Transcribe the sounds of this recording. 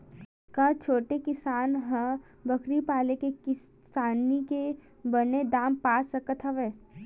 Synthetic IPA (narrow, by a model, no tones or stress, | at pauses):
kɐt͡ʃʰoːʈekɪsaːnɦɐ̃ | bɐkɾipaːlekek | saːnike | bɐned̪aːmpaːsɐkət̪ʰɦɐʋeː